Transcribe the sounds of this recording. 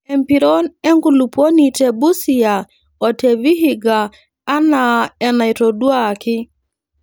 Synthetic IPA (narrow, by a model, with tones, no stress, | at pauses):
ɛ˨mpi˨ɾo˦nɛ˦ŋku˨lu˨po˦ni˨te˨bu˦si˨a˨ | o˨te˨βi˦ɦiɡaː˨˦ | na˨ɛ˨na˨i˨to˨du˦a˦kɪ˦